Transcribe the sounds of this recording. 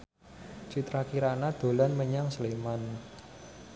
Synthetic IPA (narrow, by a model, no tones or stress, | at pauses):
t͡ʃit̪ɾakiɾanad̪̥o̤lanməɲaŋsleman